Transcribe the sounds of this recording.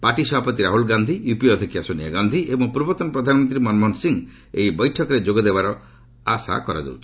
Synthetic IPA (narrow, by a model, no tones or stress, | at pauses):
paʈisɔbʱapɔt̪iɾaɦulɡand̪ʱijupiɔd̪ʰʱikiasonia̰ɡand̪ʱiebɔŋpuɾbɔt̪ɔnpɾɔd̪ʱanmɔnt̪̬ɾimɔnmɔnsiŋ | eibɔjʈʰɔkɔɾed͡ʒoɡɔd̪ebaɾɔ | a̰sa̰kɔɾa̰d͡ʒḛwt͡ʃʰi̥